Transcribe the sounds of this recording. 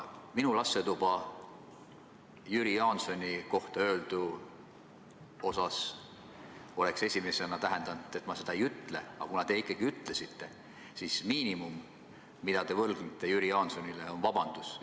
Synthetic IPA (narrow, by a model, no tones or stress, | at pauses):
minulɑsːe̞t̪ub̥ɑ | jyɾijɑnso̞nʲiko̞ht̪ɑø̞ːld̪̥u | o̞sɑs | o̞le̞kse̞sʲime̞senɑt̪æɦe̞nd̪̥ɑnd̪̥e̞t̪ːˑmɑse̞d̪̥ɑejyt̪ˑle̞̰ɑ̰kunɑt̪e̞ikːˑɑɡ̥iyt̪ˑle̞sit̪ːe̞ | sismiːnimumː | id̪̥ɑt̪e̞vɤlɡ̥nit̪ːˑe̞jyɾijɑːnso̞nile̞o̞nvɑb̥ɑnd̪̥us